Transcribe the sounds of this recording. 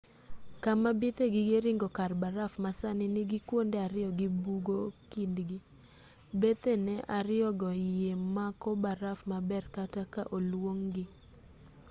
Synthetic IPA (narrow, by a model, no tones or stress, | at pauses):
kamabɪt̪eɡɪɡeɾiŋɡɔkarbaɾafmasanɪnɪɡɪkwondɛaɾɪɔɡɪbuɡokindɡi | bet̪enɛʔaɾɪɔɡɔjemakɔbaɾafmabɛrkataka̰ʔolwoŋɡɪ